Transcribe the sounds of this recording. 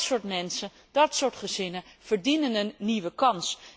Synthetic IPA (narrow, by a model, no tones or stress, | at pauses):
sʊːɹtmɛnsən | d̥ɑtsʊːɹtχəzɪnəv̥əɹdinənənːiʋəkɑns